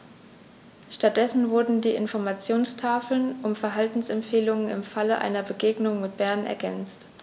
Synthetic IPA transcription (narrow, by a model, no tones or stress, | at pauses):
ʃtat̚d̥ɛsn̩vʊɐdn̩diːɪnfɔɐmat͡sjoːnstʰaːfl̩nʔʊmfɛɐɦaltn̩sɛmfeːlʊŋənɪ̰mfaləʔa̰ɪnɐbəɡeːɡnʊŋmɪt̚b̥ɛɐnɛ̰ɐɡɛnt͡st